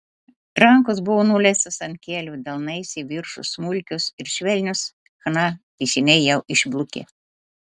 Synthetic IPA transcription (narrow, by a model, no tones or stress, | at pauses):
ɾɐŋkos̬bʊʋoːnuːlʲɛsʲɪsɐnʲt̪ʲkʲeːlʲuːd̪ɐlˠnɐɪsʲiʋʲɪɾʃʊ̰smʊlʲkʲʊsɪɾʃʲʋʲɛlʲnʲʊs | xɐnɑt̪ʲɛɪsʲɪnʲɛɪjɛʊʔɪʒblˠʊkʲḛː